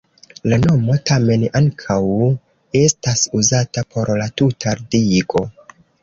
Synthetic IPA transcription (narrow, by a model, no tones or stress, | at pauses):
lano̞mo̞tame̞naŋkʰaw | e̞stasuzatapʰo̞ɾlatutʰaɾdiɡo̞